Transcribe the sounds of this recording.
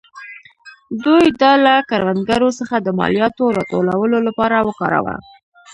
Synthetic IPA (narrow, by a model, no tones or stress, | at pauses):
d̪ujd̪ɑlakaɾwand̪ɡaɾosəxad̪əmɑ̰lijɑt̪oɾɑt̪olawəlolapɑɾawəkɑ̰ɾa̰wa̰